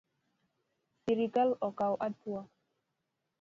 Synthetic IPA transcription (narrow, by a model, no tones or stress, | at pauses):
siɾikalɔkawʔatua